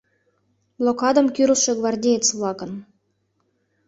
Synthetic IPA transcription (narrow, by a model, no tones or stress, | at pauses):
blˠokɑd̪əmkyɾəʃeɡvɑrdʲejet͡sβlɑkən